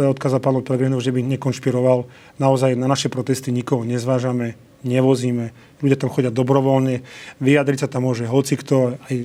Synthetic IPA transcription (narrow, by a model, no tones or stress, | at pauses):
ɛɔt̪kaːzapaːnɔpɛlɛɡɾinɔʊʒɛbiɲɛkɔnʃpiɾɔʋal | naɔzajnanaʃɛpɾɔt̪ɛst̪iɲikɔɦɔɲɛzʋaːʒamɛ | ɲɛʋɔziːmɛ | lʎuɟɪat̪amxɔɟɪad̪ɔbɾɔʋɔlɲɛʋijad̪ɾicsat̪amːʊɔʒɛɦɔt͡sikt̪ɔaj